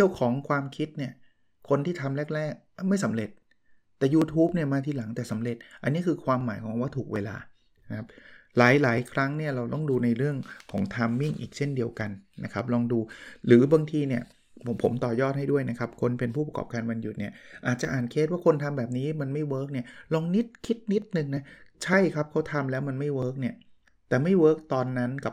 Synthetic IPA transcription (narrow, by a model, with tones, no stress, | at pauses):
t͡ɕi˥˩ə˩wkʰɔː˩˦ŋkʰwaː˧mkʰi˦˥t̪̚ni˥˩ɐ | kʰo˧nt̪ʰiː˥˩t̪ʰa˧mlɛː˦˥˩k̚ɾɛː˥˩k̚ma˥˩jsa˩˦mɾe˨˩t̪̚ː | ɛː˨˩juː˧t̪ʰuː˦˥p̚ni˥˩ɐmaː˧t̪ʰiː˧˩la˩˦ŋt̪ɛː˨˩sa˩˦mɾe˨˩t̪̚ʔa˧nːiː˦˥kʰɯː˧kʰwaː˧mːaː˩˦jkʰɔː˩˦ŋwa˥˩t̪ʰuː˨˩k̚weː˧la̰ː˧ | na˦kʰa˦˥p̚laː˩˦jlaː˩˦jkʰɾa˦˥ŋni˥˩ɐɾa˧wt̪ɔ˥˩ŋduː˧na˧jɾɯ˥˩əŋkʰɔː˩˦ŋt̪ʰa˧mːi˥˩ŋʔiː˨˩k̚t͡ɕʰe˥˩ndi˧əwka˧nna̰˦˥kʰa˦˥p̚lɔː˧ŋduː˧ɾɯː˩˦baː˧ŋt̪ʰiː˧ni˥˩ə | pʰo˩˦mt̪ɔː˨˩jɔː˥˩t̪̚ha˥˩jdu˥˩əjna˦˥kʰa˦˥p̚kʰo˧npe˧npʰu˥˩pa˧kɔ̰ː˨˩p̚kaː˧nwa˧nju˨t̪̚ni˥˩ɐʔaː˨˩t̪̚t͡ɕa˨ʔaː˨˩nkʰeː˦˥t̪waː˥˩kʰo˧nt̪ʰa˧mbɛː˨˩p̚niː˦˥ma˧nma˥˩jwɤː˦˥k̚ni˥˩ɐlɔː˧ŋni˦˥t̪̚kʰi˦˥t̪̚ni˦˥t̪̚nɯ˧ŋna˦˥t͡ɕʰa˥˩jkʰa˦˥p̚kʰa˦˥wt̪ʰa˧mlɛː˦˥wma˧nma˥˩jwɤː˦˥k̚ni˥˩ɐ | t̪ɛː˨˩ma˥˩jwɤː˦˥k̚t̪ɔː˧nːa˦˥nka˨˩p̚